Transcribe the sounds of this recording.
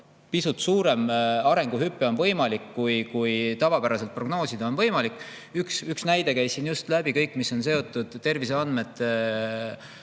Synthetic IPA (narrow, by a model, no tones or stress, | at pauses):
pisut̪suːɾe̞mɑɾe̞ŋɡ̥uɦypːˑeo̞nvɤ̞jmɑlikːujkujt̪ɑvɑpæɾɑselt̪̚pro̞ɡno̞ːsid̪̥o̞nvɤjmɑlikːˑ | yksyksnæjd̪̥e̞kæjsinjust̪læb̥ikɤjkːˑmiso̞nse̞o̞t̪ːˑud̪̥t̪ːe̞rvis̬e̞ɑnd̪me̞t̪ːˑ